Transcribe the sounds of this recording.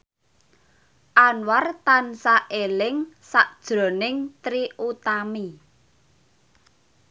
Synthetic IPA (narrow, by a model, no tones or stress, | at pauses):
ʔanwart̪ansaʔelɪŋsaʔd̥ʒ̥ɾo̤nɪŋt̪ɾiʔut̪ami